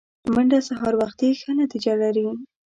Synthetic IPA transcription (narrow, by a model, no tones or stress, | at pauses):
məɳɖasaɦɑɾwaxt̪ixənat̪id͡ʒalaɾi